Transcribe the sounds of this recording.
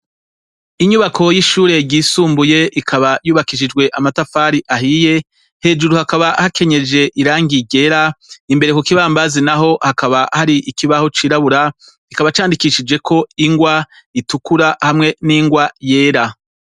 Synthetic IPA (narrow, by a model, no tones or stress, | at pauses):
iɲuβakʰo̞jiʃuːɾe̞ɟiːsuːmbuje̞ʔikʰaβajuːβakiʃ̬id͡ʒɡwe̞ʔamatafaːɾiʔaɦije̞ | he̞ːd͡ʒuɾuhakaβahakʰe̞ɲe̞d͡ʒe̞ʔiɾaːŋɡiɟe̞ɾaimbe̞ɾekokiβaːmbazinaɦo̞hakaβahaɾiʔikiβaho̞t͡ʃiːɾaβuɾa | kikaβat͡ʃaːndikiʃid͡ʒe̞kʰo̞iŋɡwa | itukuɾahamŋe̞niŋɡwaje̞ːɾa